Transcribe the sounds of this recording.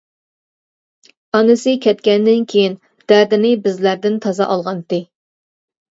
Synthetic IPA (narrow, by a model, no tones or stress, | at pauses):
ɑnɨsɨkʲʰɛt̪̚kʲɛnd̪ɪnkʲʰejin | d̪̥æɾd̪ɪnɪbɪzlæɾd̪ɪnt̪ʰɑzɑ̰ʔɑlˠʁɑnt̪ɪ